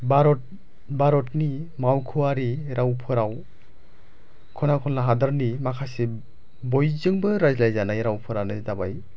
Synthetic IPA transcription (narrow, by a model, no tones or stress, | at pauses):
baɾɔt | baɾɔtnimawkʰuwaɾiɾawpʰɯɾaw | kʰɔnakʰɔlnaɦadɯɾnimakʰasi | bɔjzɯŋbɯɾazlajzanajɾawpʰɯɾanɯdabaj